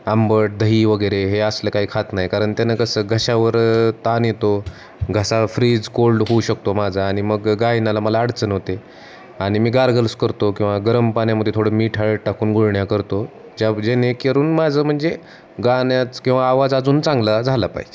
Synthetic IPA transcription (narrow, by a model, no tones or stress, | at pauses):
ambəʈ̚d̪ʱəɦiːʋəɡəjɾeɦeəsləkaɦiːkʰat̪najkaɾəɳt̪janakəsəːɡʱəɕaʋəɾt̪anjet̪o | ɡʱəsafɾiːd͡zkolːɦouɕək̚t̪omad͡zʱaːɽ̃iməɡːajnalaməlaːɽt͡sənɦot̪e | aɽ̃imiːɡaɾɡələskəɾt̪okĩw̃ʋaɡəɾəmpaɳjaməd̪ʱjet̪ʰoɽ̤əmiːʈʰaɭəʈakuːnɡʱuɭɳjakəɾt̪o | d͡ʑad͡ʑenekeɾuːnmad͡zʱəːm̤əɳd͡ze | ɡanjat͡skĩw̃ʋaːʋad͡zad͡zuːnt͡sãŋɡlad͡zʱalapa̰ɦid͡ʑe